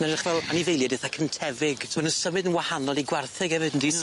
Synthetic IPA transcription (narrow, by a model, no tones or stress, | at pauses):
naɾχvɛlˠanivejlˠjadɪθakʰəntʰɛvɪɡʰmənəsəmɨdənwahanɔlˠiɡwarθɨɡɛvɨdndi